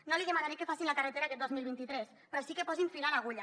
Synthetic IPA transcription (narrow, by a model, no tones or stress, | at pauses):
noðiɣemaɾanekefasinlakaret̪eɾakɛt̪̚d̪ozmilˠβint̪it̪ɾɛs | pɾɔsikepɔziɱfilalaɣuʎa